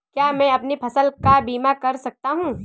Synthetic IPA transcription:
kjaːmɛ̃ːɐpnipʰɐsəlkabiːmakɐɾsɐk̚t̪aɦũː

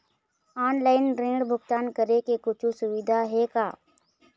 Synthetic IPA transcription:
aːnlaːɪnɾẽːɽbʱʊɡt̪aːnkəɾekekʊt͡ʃʰusʊʋɪd̪ʱaɦekaː

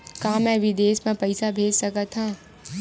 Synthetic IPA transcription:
kãːmɛ̃ːʋɪd̪eːsmẽpɐɪsabʱeːd͡ʒsɐkət̪ɦãː

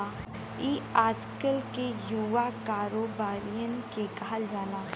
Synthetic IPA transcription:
iːaːd͡ʒkəlkejuʋakaːɾoːbaːɾijənkekaɦəld͡ʒaːlaː

